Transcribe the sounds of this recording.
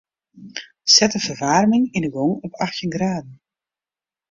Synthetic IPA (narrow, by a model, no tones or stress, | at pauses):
sɛtəfərʋarmɪŋindəɡoŋɔpʰaxtjənɡraːdn̩